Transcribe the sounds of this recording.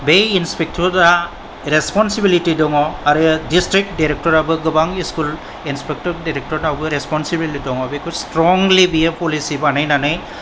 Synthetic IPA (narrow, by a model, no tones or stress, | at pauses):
bejinspek̚tʰɔɾda | ɾespɔnsibilitidɔŋɔaɾɯdistɾik̚daɾek̚tɔɾabɯɡɯbaŋiskul | inspek̚tɔɾdaɾek̚tɔɾnawɡɯɾespɔnsibiliidɔŋɔbekʰustɾɔŋlibijepɔlisibanɯjnanɯj